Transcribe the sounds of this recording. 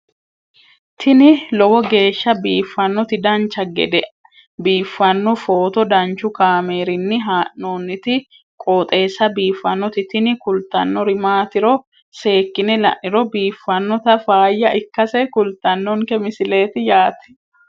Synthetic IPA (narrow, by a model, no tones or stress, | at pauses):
t̪ʰɪnɪlɔwɔɡe̞ːʃːɐbiːfːɐnːɔt̪ɪd̪ɐnt͡ʃːɐɡɛ̰d̪ɛʔɐ | biːfːɐnːɔfo̞ːt̪ɔd̪ɐnt͡ʃʊkaːme̞ːɾɪnːɪɦaːʔːoːnːɪt̪ɪ | kʼoːt̪ʼe̞ːsːɐbiːfːɐnːɔt̪ɪt̪ɪnɪkʊlt̪ːɐnːɔɾɪmaːt̪ɪɾɔ | se̞ːkːɪnɛlɐ̰ʔnɪɾɔbiːfːɐnːɔt̪ɐfaːjːɐʔɪkːɐsɛkʊlt̪ːɐnːɔŋkɛmɪsɪle̞ːt̪ɪjaːt̪ɛ̥